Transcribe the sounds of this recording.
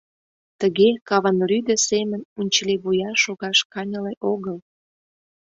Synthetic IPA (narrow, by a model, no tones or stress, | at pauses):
t̪əɣekɑβɑnryd̪ə̆semənunʲt͡ɕəleβujɑʃoɣɑʃkɑnʲəleʔoɣəl